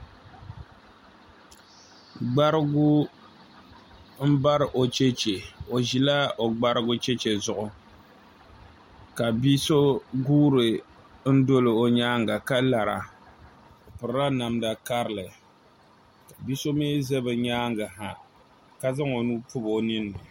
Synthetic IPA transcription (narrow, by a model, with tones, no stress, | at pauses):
ɡ͡ba˦ɾɨ˦ɡʊ˦ | m̩˦ba˦ɾɨ˨ʔo˨t͡ʃɛ˦t͡ʃe˨o˨ʒi˨la˦o˨ɡ͡ba˦ɾɨ˦ɡʊ˦t͡ʃɛ˦t͡ʃɛ˨zʊ˦ʔʊ˨ | ka˨bi˦so˦ɡuː˦ɾɨ˨ | n̩˦do˦lɨ˨o˨ɲaː˦ŋɡa˨ka˦la˨ɾa̰˨ | o˨pɨ˨ɾɾa˦na˨mda˨ka˦ɾɨ˨lɨ˨ | ka˨bi˦so˦meː˦zɛ˦bɨ˨ɲaː˦ŋɡa˨ɦa˨ | ka˦za˦ŋo˨nuː˦pʊ˦bo˦nɨ˦nːɨ˨